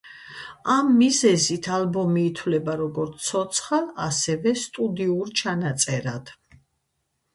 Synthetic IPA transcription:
amːizɛzit̪ʰalbɔmiːt̪ʰwlɛbaɾɔɡɔɾt̪sʰɔt̪sʰχalasɛvɛst̪ʼud̪iuɾt͡ʃʰanat̪sʼɛɾad̪̥

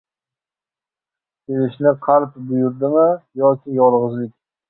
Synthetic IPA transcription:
kʲʰelɪʃnɪqʰɑɾpbʊjʊɾd̪ɪmɪjɒkʲʰɪjɒlˠʁɨzlɪk̚ʲ

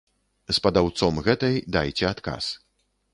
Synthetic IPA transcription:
spɐd̪awt̪sɔmɣɛt̪ɐjd̪ajt͡sʲɛat̪ka̰s

